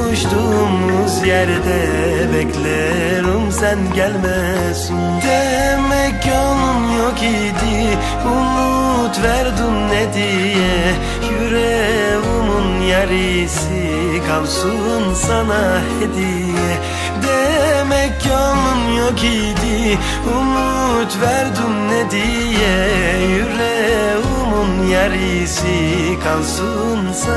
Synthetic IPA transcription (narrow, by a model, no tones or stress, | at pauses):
uʃt̪umuzjɛɾd̪ɛ | bɛclʲɛ | ɾumsænɟælʲmɛ | sin | d̪ɛ | mɛcjolˠunjoki | d̪i | umu | t̪væɾd̪ynnɛd̪i | jɛ | jyɾɛ | vumunjaɾisi | kʰalˠsu | nsanahed̪i | jɛ | d̪ɛmɛkːamunjoki | d̪i | umu | t̪vɛɾd̪ymnɛd̪i | jɛjyɾɛ | umunjaɾii | si | kʰalˠsu | ns